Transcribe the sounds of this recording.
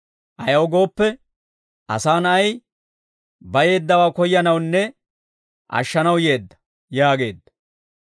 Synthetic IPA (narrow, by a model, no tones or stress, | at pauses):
ʔɐjɐwɔɡo̞ːpːɛ | ʔɐ̰saːnɐɐj | bɐje̞ːd̪ːɐwaːkɔjːɐnɐwnːɛ | ʔɐ̰ʃːɐnɐwje̞ːd̪ːɐ̥ | jaːɡe̞ːd̪ːɐ̥